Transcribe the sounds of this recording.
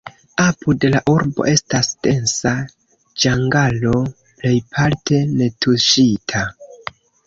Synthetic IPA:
apudelaʔuɾbo̞̰ʔe̞stasd̥e̞nsa | d͡ʒaŋɡalo̞ | ple̞jpʰalte̞ne̞tʰuʃitʰa

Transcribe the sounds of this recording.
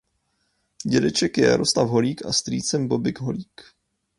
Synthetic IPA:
ɟɛdɛt͡ʃɛkjɛja̰ɾʔoslavɦo̞liːka̰st̪rḭːt͡sɛmbobɪɡɦo̰liːk

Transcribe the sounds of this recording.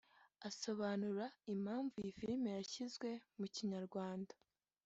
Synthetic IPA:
aso̞βanuɾaim̥haːɱvujifiɾimejaçizɡwe̞muciɲaɾɡwaːnda

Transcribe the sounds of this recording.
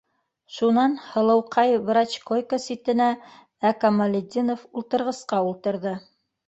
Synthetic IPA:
ʃunɑnhɤ̆lˠɤ̆wqʰɑjvɾɑt͡ɕkojkəsit̪ɘ̆næ | ækɐmɐlʲɪd̪ʲinofulˠt̪ɤ̆ɾʁɤ̆sqɑulˠt̪ɤ̆ɾðɤ

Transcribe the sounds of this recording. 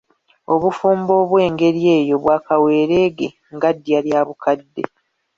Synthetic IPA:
o̞βufuːmbo̞ːβwe̞ːŋɡe̞ɾje̞ːjo̞βwaːkawe̞ːɾe̞ːɡe̞ | ŋɡadːjaljaːβukadːe̞̰

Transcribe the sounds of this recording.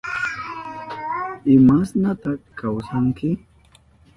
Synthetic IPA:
ɪmasnat̪aχkːawsaŋkɪ

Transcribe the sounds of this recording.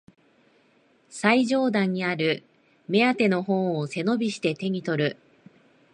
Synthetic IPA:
saiʑo̞ːd̪ãɲ̟ːiaɾɯ̟ | me̞at̪e̞no̞hõ̞ɰ̃ose̞no̞bʲiɕi̥t̪e̞t̪e̞ɲ̟it̪o̞ɾɯ̟

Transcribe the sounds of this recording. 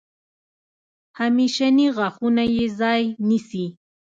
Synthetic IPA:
hamɪʃaniɢɑχʊnajezajnɪsi

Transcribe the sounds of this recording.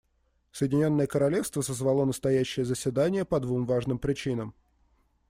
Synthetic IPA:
səjɪdʲɪnʲo̞nːəjəkəɾɐlʲe̞fst̪vəsəzvɐlˠo̞nəst̪ɐjæɕːɪjəzəsʲvʲɪd̪anʲɪjəpɐd̪vumvaʐnɨmpɾʲɪt͡ɕinəm

